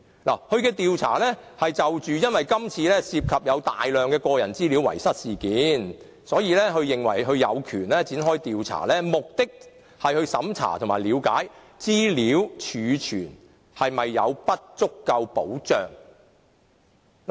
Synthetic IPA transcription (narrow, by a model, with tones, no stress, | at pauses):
la̰ː˨˩hɵ˧ɥkɛː˧t̪iː˨wt͡sʰa̰ː˨˩lɛ˥hɐ˨jt͡sɐ˨wt͡ʃyː˨jɐ˥nwɐ˨jkɐ˥mt͡sʰiː˧lɛː˥siː˧p̚kʰɐ˨p̚jɐ˨˧wt̪aː˨jlœː˨ŋkɛː˧kɔː˧jɐ˨˩nt͡siː˥liː˨˥wɐ̰˨˩jsɐ˥t̚siː˨kiː˨˥n | sɔː˨˥jiː˨˧lɛː˥ɦɵ˧ɥjɪ˨ŋwɐ̰˨˩jɦɵ˧ɥjɐ̰˨˧wkʰyː˨˩nlɛː˥t͡siː˨˥nɦɔː˥jt̪iː˨wt͡sʰa̰ː˨˩lɛː˥mʊ˨k̚t̪ɪ˥k̚ | hɐ˨jhɵ˧ɥsɐ˨˥mt͡sʰa̰ː˨˩t̪ʰmaː˨˩jliː˨˧wkaː˨˥j | t͡siː˥liː˨˥wt͡ʃʰyː˨˧t͡ʃʰyː˨˩n | hɐ˨jmɐ˨jːɐ̰˨˧wpɐ˥t̚t͡sʊ˥kːɐ˧wpo̰˨˥wt͡ʃœ̰ː˨ŋ | l